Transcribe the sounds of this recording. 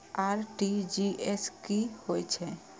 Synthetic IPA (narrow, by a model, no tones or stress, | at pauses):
aɾʈid͡ʒieskihojt͡ʃʰɛ